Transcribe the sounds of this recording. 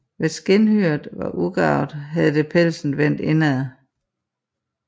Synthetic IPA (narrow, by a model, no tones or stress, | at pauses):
ʋe̝sɡ̥enhyɐdˠʋɑ̈ʔuɡ̥ɑ̈ʊ̰d̥ˠɦæðˠd̥əpʰelsn̩ʋæn̰d̥e̝næðˠ